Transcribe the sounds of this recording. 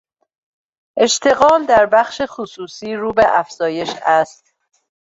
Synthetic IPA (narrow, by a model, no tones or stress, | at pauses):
ʔe̞ʃt̪ʰe̞ɣɒːld̪æɾbæχʃexusuːsiːɾuːbe̞ʔæfz̥ɒːje̞ʃæst̪